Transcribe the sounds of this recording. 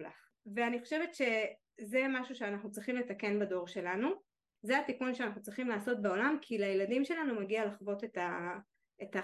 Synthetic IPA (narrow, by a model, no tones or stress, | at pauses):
la̰χ | veaniχo̞ʃevet̪ʃe̞ | zemaʃuʃeanaχnut͡sʁiχimle̞t̪ake̞nbado̞ʁʃe̞lanu | zeat̪ikunʃeanaχnut͡sʁiχimlaːso̞t̚beo̞lamkʰilajeladimʃe̞lanumaɡialaχvo̞te̞ta | eta